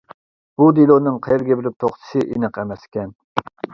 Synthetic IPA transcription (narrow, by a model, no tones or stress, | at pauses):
b̥ud̪ilˠonɨŋqʰɑjɛɾɡʲɛbɪlɪp̚t̪ʰoχt̪ʰɨ̥sɨʔinɨqɛmɛsɪ̥kʲɛn